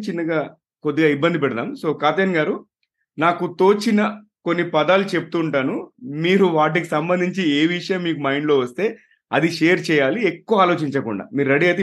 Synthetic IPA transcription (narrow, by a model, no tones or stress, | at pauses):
t͡ʃinːɐɡaː | kod̪ːiɡaːibːɐnd̪ipɛɽɐt̪aːmso̞ːkaːt̪eːnɡaːɾu | naːkut̪o̞ːt͡ʃinɐko̞nːipɐd̪aːlut͡ʃe̞pu̥t̪uːɳʈaːnumiːɾuʋaːʈ̬ikisɐmbɐnd̪ʱiɲt͡ʃieːʋiʂjɐmːiːkumɐjɳɖlo̞ːʋɐst̪e̞ː | ɐd̪iʂe̞ːjɐɾt͡ʃɛːjaːliekːuʋaːlo̞ːt͡ʃiɲt͡ʃɐkṵɳɖa̰ːmiːɾuɾɐɽiɐt̪e